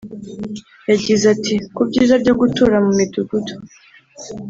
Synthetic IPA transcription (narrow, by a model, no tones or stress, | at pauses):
jaɟizatʰikubɟiːzabɟo̞ɡutuɾamumiduɡuto̥